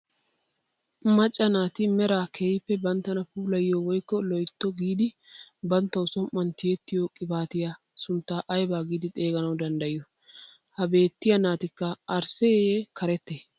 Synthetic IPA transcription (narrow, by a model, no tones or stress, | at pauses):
mɐt͡ʃʼːɐnaːt̪ɪmɛɾaːkʰejpːɛbɐnt̪ːɐnɐpuːlɐjːowɔjkːɔlɔjt̪ːɔɡiːd̪ɪ | bɐnt̪ːɐwʊsɔmːɐnt̪ɪjɛt̪ːɪjoːkʼɪbaːt̪ɪjaː | sʊnt̪ːaːʔɐjbaːɡiːd̪ɪt̪ʼe̞ːɡɐnɐwd̪ɐnd̪ɐjɪɔ | hɐbe̞ːt̪ːɪjɐnaːt̪ɪkːɐɐɾsɛekʰɐɾɛt̪ːe